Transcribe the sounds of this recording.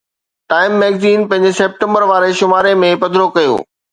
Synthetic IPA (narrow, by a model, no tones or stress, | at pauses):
ʈaːɪmːɛːɡziːnpɐ̃ɪɲd͡ʑɪseːp̚ʈə̃mbəɾʋaːɾeʃʊmaːɾemẽpɐd̪ʱɾokɐjo̰ː